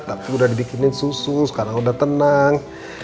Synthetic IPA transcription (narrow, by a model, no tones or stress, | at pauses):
t̪apiudahdibikinɪnsusʊskaɾaŋudaht̪ənaŋ